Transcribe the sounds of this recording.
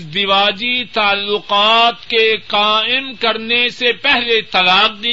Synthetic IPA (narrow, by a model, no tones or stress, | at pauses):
zd̪ɪʋaːd͡ʒit̪aːlːʊqaːt̪keqaːɪmkɐɾnesepɛɦlet̪ɐlaːq̚d̪i